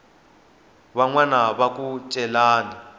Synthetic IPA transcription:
βaŋwanaβakʼut͡ʃʼɛlaːni

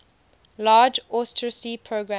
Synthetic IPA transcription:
lɑːd͡ʒɔstɹɪsipʰɹoɡɹã

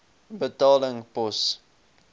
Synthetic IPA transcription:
bətɑːləŋpɔs

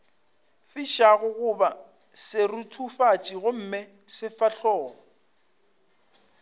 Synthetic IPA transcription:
fiʃaɣʊɣʊba | sɪrutʰufat͡ʃʼiɣʊm̩mɪ | sɪfaɬɔːŋɔ

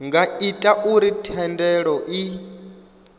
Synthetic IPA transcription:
ŋɡaitʼaʔuɾitʰɛndɛɺɔʔi

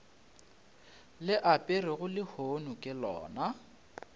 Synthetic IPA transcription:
lɪʔapʼɪrɪɣʊlɪhonʊkʼɪlɔ̰ːna

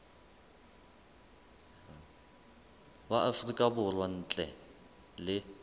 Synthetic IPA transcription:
waʔafrikʼabʊrwan̩ːt͡ɬʼɛ | lɪ

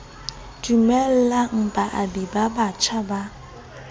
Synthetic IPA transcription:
dumɛl̩laŋ̩pʼaʔadibabat͡ʃʰaba

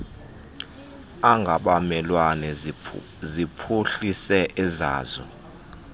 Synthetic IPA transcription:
aŋɡʱaɓamɛlwanɛ | zipʰuɬisɛʔɛza̰ːzɔ̰

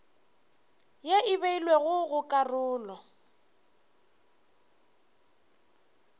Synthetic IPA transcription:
jeɪβeilweɣʊɣʊkʼarʊːlɔ

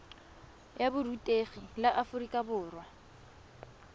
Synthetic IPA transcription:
jabʊrutʼeɣilaʔafʊrikʼabʊːrwa

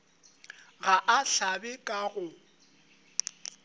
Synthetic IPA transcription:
ɣaʔaɬabɛkʼaɣʊ

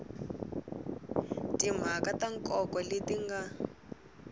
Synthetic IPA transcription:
tim̤akataŋkʼɔkɔletiŋɡa

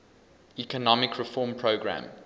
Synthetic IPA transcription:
ikənɔmɪkʰɹɪfɔːmpʰɹəʊɡɹã̰m

